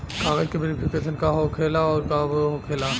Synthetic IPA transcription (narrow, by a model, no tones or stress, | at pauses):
kaːɡəɾkeʋeːɾɪpʰɪkeːʃənkaɦokʰeːlaɔːɾkabɦokʰeːla